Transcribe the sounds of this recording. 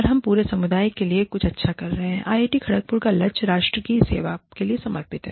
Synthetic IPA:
ɾɦɐmpuːɾesɐmʊd̪aːjkeliekʊt͡ʃʰɐtːʃʰakɐɾːɐɦeɛ̃ʔaːeːʈikʰɐɽək̚pʊɾkalɐt͡ʃɾaːʃʈɾəkisḛːʋakeliesɐməɾpɪt̪ɦɛ̰ː

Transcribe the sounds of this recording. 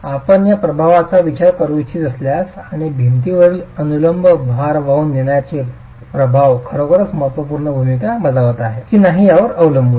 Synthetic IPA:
apəɳjapɾəbʱaʋat͡saʋit͡ɕaɾkəɾʋit͡ɕʰid͡zəsljasaɽ̃ibʱint̪iʋəɭiːənuləmbʱəbʱaɾʋaunːeɽjat͡se | pɾəbʱaʋkʰəɾokəɾət͡sməɦt̪ʋəpuɾɳəbʱumikaməd͡zaʋt̪aɦekiːnaɦijaʋəɾəʋləmbʱu

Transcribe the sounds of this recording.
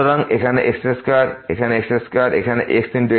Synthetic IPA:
ɔɾaŋekʰaneʔekspɾeskaɾekʰaneekspɾeskaɾḛkʰanḛʔeksd̪intue

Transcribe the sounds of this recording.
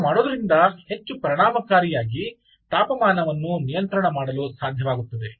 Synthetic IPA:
maːɽoːd̪ɐɾind̪ɐhe̞t͡ʃːupɾɐɳaːmɐkaːɾijaːɡi | t̪aːpɐmaːnɐʋɐnːunijɐnt̪ɾɐɳɐmaːɽɐlusaːd̪ʱjɐʋaːɡut̪ːɐd̪e̞

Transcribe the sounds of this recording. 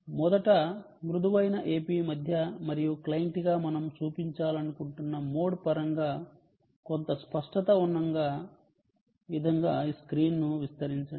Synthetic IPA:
mɔd̪ɐʈɐ | mɾud̪uʋɐjnɐʔeːpiːmɐd̪ʱjɐmɐɾijuklɐjɳʈiɡaːmɐnɐmt͡ʃuːpiɲt͡ʃaːlɐnukuɳʈunːɐmo̞ːɽpɐɾɐŋɡaː | kont̪ɐspɐʂʈɐt̪ɐunːɐŋɡaː | ʋid̪ʱɐŋɡaːiskɾiːnnuʋist̪ɐɾiɲt͡ʃɐ

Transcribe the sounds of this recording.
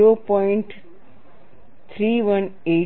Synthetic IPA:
ɾopɔɪ̃ɳʈ | t̪ʰɾiːʋəne

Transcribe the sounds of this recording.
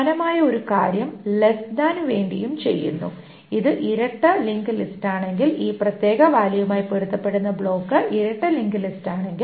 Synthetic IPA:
ɐnɐmaːjɐo̞ɾuka̰ːɾjɐmlesd̪aːnʋe̞ːɳɖijumt͡ɕe̞̰jːṵnːṵ | iðɨʔiɾɐʈːɐliŋɡɨlistaːɳe̞ŋɡiliːprɐt̪jeːɣɐʋaːlijumaːjipeɽut̪ːɐpːe̞ɽunːɐbɭo̞ːkːɐʔiɾɐʈːɐliŋɡɨlistaːɳe̞ŋɡi

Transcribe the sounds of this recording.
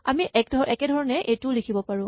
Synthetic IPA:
a̰miʔɛk̚dʱɔɹʔɛkɛdʱɔɹɔnɛʔetʊlikʰibɔpaɹʊ̃

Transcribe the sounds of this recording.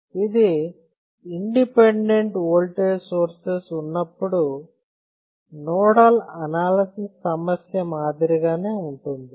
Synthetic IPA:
id̪i | iɳɖipeɳɖeɳʈoːlʈeːsoːɾsesunːɐpːuɽu | nɔːɽalɐnaːlɐsisːɐmɐsjɐmaːd̪iɾiɡaːne̞ːuɳʈund̪i

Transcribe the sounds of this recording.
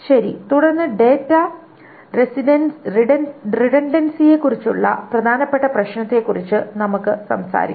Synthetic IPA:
ɕɐɾit̪uɽɐrnːɨɖe̞ːtːɐ | resiɐn | riɽɐnɖɐnsije̞kːurit͡ɕːuɭːɐ̰prɐd̪ʱaːnɐpːe̞ʈːɐprɐɕnɐt̪ːe̞kːurit͡ɕːɨnɐmukːɨsɐ̰msa̰ːɾḭkː

